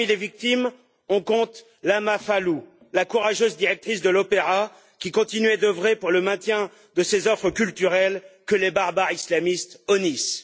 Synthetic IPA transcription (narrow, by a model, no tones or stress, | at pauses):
milevik̚t̪im | ɔ̃kɔ̃t̪ | lamafalu | lakuʁaʒøzd̪iʁɛk̚t̪χisd̪əlɔpeʁa | kʲikɔ̃t̪inɥɛd̪əvʁepuʁləmɛ̃t̪jɛ̃ | d̪əsezɔfχəkʲylt̪yʁɛlkəlebaʁbaʁislamist̪ɔnis